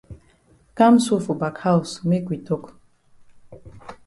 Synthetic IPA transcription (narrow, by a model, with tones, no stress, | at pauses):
ka˦msu˦fu˨ba˨kʰha˦u˨sme˦kʷʼwi˨t̪ʰʼo˦kʼ